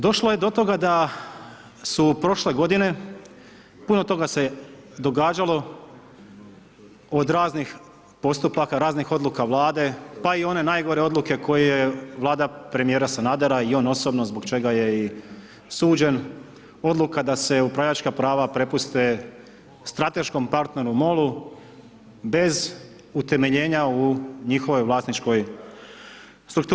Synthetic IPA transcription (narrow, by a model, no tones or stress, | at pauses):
d̪o̞ʃlˠoje̞d̪o̞t̪o̞ɡad̪a | supɾo̞ʃle̞ɡo̞d̪ine̞ | puno̞t̪o̞ɡase̞d̪o̞ɡaːd͡ʒalˠo̞ | od̪ɾaːznix | po̞st̪upakaɾaːznixo̞d̪lukaʋlˠaːd̪e̞paio̞ne̞naːjɡo̞ɾe̞o̞d̪lˠuke̞kʰo̞jejeʋlˠaːd̪apɾe̞mijeːɾasanad̪aɾaio̞ːno̞so̞bno̞zbo̞ɡt͡ʃe̞ɡaje̞i | suːd͡ʑe̞n | o̞d̪lˠukad̪ase̞upɾaʋʎat͡ʃkapɾaːʋapɾe̞pust̪e̞ | st̪ɾat̪e̞ʃko̞mpaɾt̪ne̞ɾumo̞lˠu | be̞z | ut̪e̞me̞ʎe̞ːɲauɲixo̞ʋo̞jʋlˠaːsnit͡ʃko̞j | st̪ɾuk̚t̪u